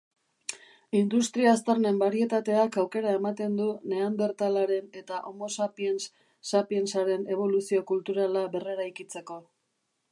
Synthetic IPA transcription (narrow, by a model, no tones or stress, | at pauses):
ind̪ust̪ɾiaːst̪aɾne̞mbaɾie̞t̪at̪e̞akawke̞ɾae̞mat̪e̞nd̪une̞ambe̞ɾt̪alaɾe̞ne̞t̪aʔomo̞sapien | sapie̞nsaɾe̞ne̞β̞o̞lusio̞kult̪uɾalaβe̞re̞ɾajkit͡se̞ko̞